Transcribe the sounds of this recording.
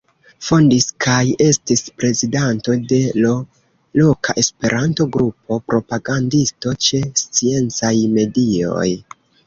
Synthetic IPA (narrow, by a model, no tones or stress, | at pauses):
fondiskʰaje̞stispɾe̞zidanto̞de̞lo | lo̞kʰaʔe̞spe̞ɾʔanto̞ɡɾupo̞pɾo̞paɡandisto̞t͡ʃe̞st͡sie̞nt͡sajme̞dio̞̰j